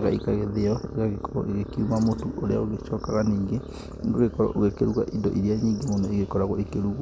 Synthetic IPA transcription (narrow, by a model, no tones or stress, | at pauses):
ɣaikaɣeðeɔeɣaɣekɔɾɔ̰eɣekiumamotuʔoɾea̰oɣeʃɔːkaɣaniːŋɡe | ndoɣekɔɾɔ̰ʔoɣekeɾuɣaʔindɔ̰ʔiɾeaɲiːŋɡemonɔeɣekɔɾaɣɔekeɾuɣwa